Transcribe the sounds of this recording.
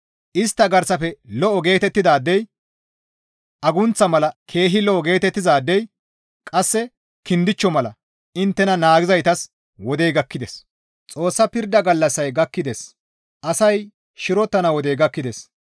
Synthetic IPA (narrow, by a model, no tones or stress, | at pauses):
ʔɪst̪ːɐɡɐɾsɐfɛlɔʔɔɡe̞ːt̪ɛt̪ːɪd̪aːd̪ːɛj | ʔɐɡʊnt͡sɐmɐlɐkʰe̞ːɦɪlɔʔɔɡe̞ːt̪ɛt̪ːɪzaːd̪ːɛj | kʼɐsːɛ | kɪnd̪ɪt͡ʃːɔmɐlɐ | ɪnt̪ːɛnɐnaːɡɪzɐjt̪ɐs | wɔd̪ejɡɐkːɪd̪es | t͡sʼo̞ːsːɐpɪɾd̪ɐɡɐlːɐsːɐjɡɐkːɪd̪es | ʔɐsɐj | ʃɪɾɔt̪ːɐnɐwɔd̪ejɡɐkːɪd̪es